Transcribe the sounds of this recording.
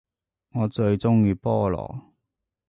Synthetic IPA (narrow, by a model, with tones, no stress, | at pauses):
ŋɔː˨˧t͡ʃɵ˧ɥt͡sʊ˥ŋjiː˧pɔː˥lɔ̰ː˨˩